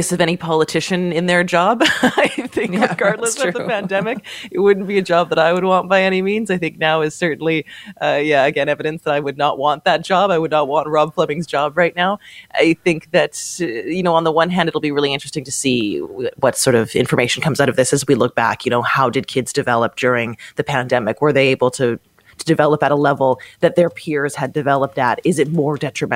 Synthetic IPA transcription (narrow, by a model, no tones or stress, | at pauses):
ɪsʌvɛɾ̃ipʰɑlˠətʰɪʃɨ̃nɪ̃nðə˞d͡ʒɑbaɪθɪ̃ŋɡɑɹdləsɨðəɨpʰæ̃ndɛmɨkɨt̚wʊdⁿn̩b̥iɨd͡ʒɑb̚ðəɾaɪwəd̚wɑ̃nb̥aɪɛɾ̃imĩnzaɪθɪ̃ŋk̚naʊɨz̥sɜ˞ʔn̩liʌjæɨɡɛ̃ñɛvɨɾɨ̃nsðəɾaɪwɨdⁿnəʔ̚wɑ̃nðɨt̚d̥ʒ̥ɑbaɪwɨdⁿnət̚wɑ̃nt̚ɹɑb̥flʌbɪ̃ŋzd͡ʒɑbɹaɪtⁿnaʊʔa̰ɪθɪ̃ŋk̚ðɨtjɨnoʊə̃nðəwʌ̃nɦæ̃ndɨɾl̩ˠbiɹɪlˠiɪ̃nt͡ʃɹ̥ɨstɪ̃ŋtʰɨsiwʌtsɔɹɾʌvɪ̰̃ɱfə˞meɪʃn̩kʰʌ̃mzaʊɾʌvðɪsɨzwilʊk̚b̥æ̰kʰjɨnoʊhaʊdɨd̚kʰɪdzdɨvɛlˠəp̚d̥ʊɹɪ̃ŋðɨpʰæ̃ndɛmɨkwə˞ðeɪeɪbl̩ˠtʰɨ | tʰɨdɨvɛlˠəpɨɾəlɛvl̩ˠðɨt̪̚ðə˞pʰɪɹz̥ɨdɨvɛlˠəp̚tɨɾɪzɨt̚mɔɹdɛt͡ʃɹ̥ɨmɛ̃